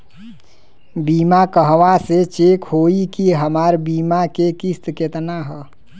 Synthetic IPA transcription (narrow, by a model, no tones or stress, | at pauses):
biːmakəɦʋaset͡ʃekɦoikiɦəmaːɾbiːmakekist̪ket̪naɦɛ